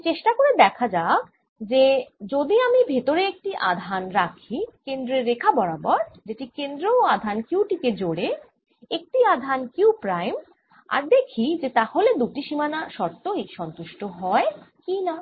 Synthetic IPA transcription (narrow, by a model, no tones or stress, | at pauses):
t͡ɕeʃʈakoɾed̪ɛkʰad͡ʑak | d͡ʑed͡ʑod̪iamibʱet̪oɾeek̚ʈiʔa̰d̪ʱanɾakʰikend̪ɾeɾːekʰabɔɽabɔɾd͡ʑeʈikend̪ɾoad̪ʱankuwʈiked͡ʑoɽe | ek̚ʈiad̪ʱankiupɾajm | a̰ɾd̪ekʰid͡ʑet̪aholed̪uʈiʃimanaʃɔɾt̪oijʃɔnt̪uʃʈoɦɔekina